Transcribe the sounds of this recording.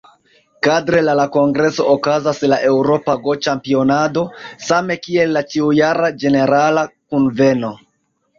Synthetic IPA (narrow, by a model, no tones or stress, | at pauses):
kadɾe̞lalako̞ŋɡɾe̞so̞ʔokazaslaʔe̞wɾo̞paɡo̞t͡ʃampio̞nado̞same̞kie̞lːat͡ʃiujaɾad͡ʒe̞ne̞ɾalakunve̞no̞